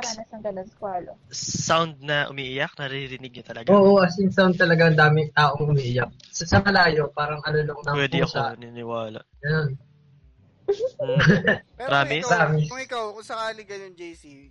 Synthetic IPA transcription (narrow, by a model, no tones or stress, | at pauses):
ɐɐsɐŋd̪ɐlɐskwaːlo | sawnd̪̚nɐʔʊ̰miːʔɪjɐk̚nɐɾɪɾɪnɪɡ̚ɲɐt̪ɐlɐɡoːʔoʔɐsjʊŋsawnd̪̚t̪ɐlɐɡaɐnd̪aːmɪt̪aːʔoŋʔʊmiːʔɪjɐk̚ | sɐsɐmɐlaːjo̞paːɾɐŋɐloloŋnɐpwɛd̪ɪɐsanɪnɪwaːlɐ̰ɡɐnon | ɾaːmɪbɾaːmɪsŋɪkawkʊsɐkaːliɡɐnond͡ʒejsi